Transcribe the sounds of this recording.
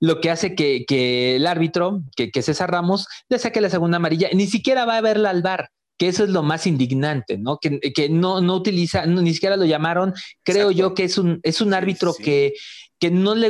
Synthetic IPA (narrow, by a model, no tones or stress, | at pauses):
lo̞ke̞ase̞keke̞laɾβit̪ɾo̞kekese̞saɾramosle̞sakelas̬e̞ɣund̪amaɾiʝanisikje̞ɾaβaːβe̞ɾlalβaɾ | keeso̞e̞zlo̞masind̪iɡnant̪e̞no̞kekeno̞no̞ut̪ilisannis̬ikje̞ɾalo̞ʝamaɾo̞ŋkɾe̞o̞ʝo̞keesune̞sunaɾβit̪ɾo̞keke̞no̞le